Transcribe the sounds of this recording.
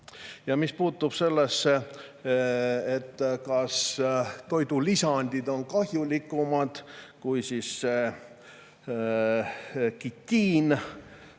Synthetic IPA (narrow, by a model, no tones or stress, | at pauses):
jɑmispuːt̪ːub̥se̞lːesːe | et̪ːkɑst̪o̞jd̪ulisɑnʲd̪̥id̪̥o̞nkɑɦjulikːˑumɑd̪̥kujsiːsːe | kit̪ʲːiːn